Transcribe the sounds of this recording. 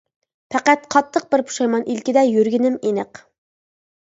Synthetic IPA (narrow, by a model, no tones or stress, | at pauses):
pʰæqæt̪̚qʰɑt̪ʰːəq̚bɪɾpʰu̥ʃɑjmɑnʔilkʲid̪ɛjøɾɡʲinɪmenɪq